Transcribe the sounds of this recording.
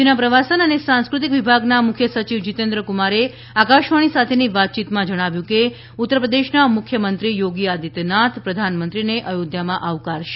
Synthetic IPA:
d͡ʒenapɾəʋasənənesãñskɾut̪ikʋibʱaɡnamʊkʰjəsət͡ʃiʋd͡ʒit̪ẽnd̪ɾəkumaɾe | akaʃʋaɽ̃isat̪ʰeniʋat̪̚t͡ʃit̪mãd͡ʒəɽ̃aʋjũke | ut̪ːəɾəpɾəd̪eʃnamʊkʰjəmənt̪ɾijoɡiad̪it̪nat̪pɾəd̪ʱanmənt̪ɾineʔəjod̪jamãʔaʋkaɾʃe̥

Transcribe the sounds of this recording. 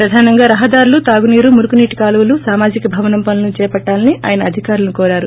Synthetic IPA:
pɾɐd̪ʱaːnɐŋɡaːɾɐɦɐd̪aːɾulut̪aːɡuniːɾumuɾukuniːʈi̥kaːlɐwulusaːmaːd͡ʒikɐbʱɐʋɐnɐmpɐnlɐnut͡ʃɛːpɐʈːaːlɐniʔa̰ːjɐnɐːd̪ʱikaːɾulɐnukoːɾaːɾu

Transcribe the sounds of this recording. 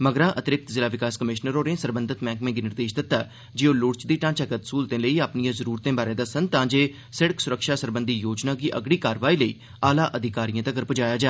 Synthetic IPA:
məɡɾãːʔət̪ɪɾɪk̚t̪zɪlaːʋɪkaːskəmɪʃnəɾoːɾẽːsəɾbənd̪ət̪mɛ̃ːŋkmẽːɡiːnɪɾd̪eːʃd̪ɪt̪ːaː | d͡ʒeːoːlʊɽt͡ʃd̪iːʈãːt͡ʃəɡət̪suːlt̪ẽːləiːaːpnijãːzəɾuːɾt̪ẽːbaːɾẽːd̪aːsənt̪ãːd͡ʒeː | sɪɽəksʊɾəkʃaːsəɾbənd̪iːjoːd͡ʒnaːɡiːʔə̰ɡɽiːkaːɾʋaːiːləiː | aːlaːʔəd̪ʱɪkaːɾijãːt̪ãːɡəɾpd͡ʒaːjaːd͡ʒaː

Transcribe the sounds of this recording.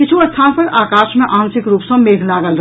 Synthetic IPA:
kɪt͡ʃʰuɐst̪ʰãpəɾaːkãːʃmẽʔaːnsɪkɾuːpsə̃meːɡʱlaːɡəlɾ

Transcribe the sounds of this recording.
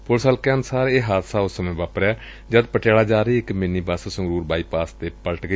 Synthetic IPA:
pʊɾsəːlkeənsaːɾeːɦaːd̪saːʊsəmẽːʋaːpəɾɛː | d͡ʒəd̪pəʈeːlaːd͡ʒaːɾiːɪkmɪniːbaːsasʊŋɡɾuːɾbaːiːpaːst̪eːpələʈɡəi

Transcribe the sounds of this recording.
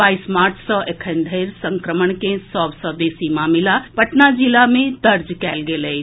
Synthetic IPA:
aːismaːɾt͡ʃʰsɔʔekʰə̃nd̪ʱeɾsə̃ŋkɾəməɳkẽsɔːbsɔd̪eːsimaːmɪlapəʈnad͡ʒilamẽd̪əɾd͡ʒkɛːlɡele

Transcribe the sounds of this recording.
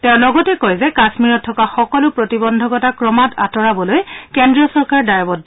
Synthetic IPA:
tɛʊ̃lɔɡɔtɛkɔjzɛkasmiɹɔtʰːɔkaxɔkɔlʊpɹotibɔndʱɔɡɔtakɹɔmata̰tɔɹabɔlojkɛndɹiɔsɔɹkaɹdajɔbɔd

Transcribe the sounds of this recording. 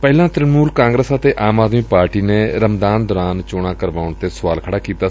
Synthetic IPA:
pɛːlãːt̪ɾɪnmuːlkãːŋɡɾəsət̪eːʔaːmaːd̪miːpaːɾʈiːneːɾəmd̪aːnd̪ɔːɾaːnt͡ʃʊɽ̃ãːkəɾʋaːʊɳt̪eːsʊʋaːlkʰəɽaːkiːt̪aː

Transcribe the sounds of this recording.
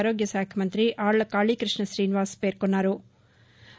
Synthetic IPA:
ɾoːɡjɐsaːkʰjɐmɐnt̪ɾiʔaːɐkaːɭiːkɾɪʂɳɐʃɾiːniʋaːspeːɾkoɳːaːɾu

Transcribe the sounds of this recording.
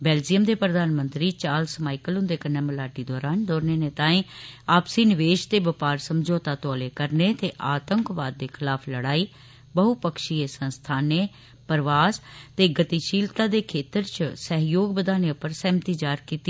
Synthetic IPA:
bɛːld͡ʒijəmd̪eːpɾəd̪aːnmənt̪ɾiːt͡ʃaːlsəmaːikəlʊ̃nd̪eːkəɾneːməlaːɖiːd̪ɔːɾaːnɖ̪ɔːɾneːneːt̪ãːĩːaːpsiːnɪʋeːʃt̪eːbəpaːɾsəmd͡ʒoːt̪aːt̪ɔːleːkəɾneːt̪eːʔaːt̪əŋkʋaːd̪ːeːkʰɪlaːpʰləɽaːiː | bəɦupəkʃiːesə̃nst̪ʰaːneː | pəɾʋaːst̪eːɡət̪iːʃiːlt̪aːd̪eːkʰeːt̪əɾt͡ʃsəɦjoːɡbəd̪aːneːʊpəɾsɛːmt̪iːd͡ʒaːɾkiːt̪i

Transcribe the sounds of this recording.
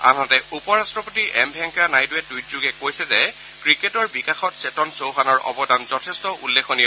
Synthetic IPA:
a̰natɛupɔɹastɹɔpotiʔɛmbʱɛŋkɔanajduɛtːujtzuɡɛkojsɛzɛ | kɹiketɔɹbikaxɔtsetɔnsowɦanɔɹɔ̰bɔdanzɔtʰɛstɔʔulːexʰɔnijɛ

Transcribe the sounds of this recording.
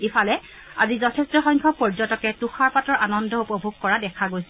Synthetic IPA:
efalɛ | a̰zizɔtʰɛstɔxɔjŋkʰɔpɔɹd͡ʒɔtɔkɛtuxʰaɹpatɔɹʔanɔndɔupɔbʱuɡkɔɹadɛkʰaɡojsɛ

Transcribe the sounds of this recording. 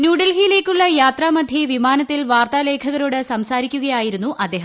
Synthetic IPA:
njuːɽɐlɦijile̞ːkʲːuɭːɐjaːt̪raːmɐd̪ʱjɐʋimaːnɐt̪ːilʋaːrt̪ale̞ːkʰɐɣɐɾoːɽɨsɐmsaːɾikʲːuɣɐjaːjiɾunːuʔɐd̪ːe̞ːɦɐ

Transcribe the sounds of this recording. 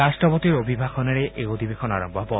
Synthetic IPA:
asʈɔpot̪iɾobʱibʱaxɔneɾeʔeod̪ʱibekʰɔnaɾɔmbʱɔɦɔbɔ

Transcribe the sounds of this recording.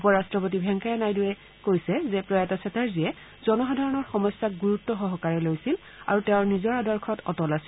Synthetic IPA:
upɔɹastɹɔpot̬ibʱɛŋkajɛnajdujɛ | kojsɛzɛpɹɔjɛtasʰɛtaɹziɛ | zɔnɔxadʱaɹɔnɔɹxɔmɔjsːak̚ɡuɹutːɔxɔɦɔkaɹɛlojsil | a̰ɹutɛʊɹnizɔɹadɔɹkʰɔtʰɔtɔlasi

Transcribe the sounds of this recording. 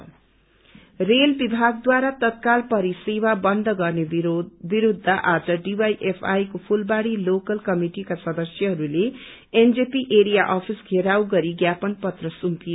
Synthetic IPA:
relbibʱaɡ̚d̪waɾat̪ʌt̪̚kalpʌɾisewabʌnd̪ʱʌɡʌrnebiɾud̪ʱːaʔad͡zʌɖibajʔepʰajkopʰulbaɽilokʌlkʌmiʈikasʌd̪ʌsjʌɦʌɾule | end͡zepiʔeɾijaʔʌpʰisɡʱeɾawɡʌɾiɡjapʌnpʌt̪rʌsumpio

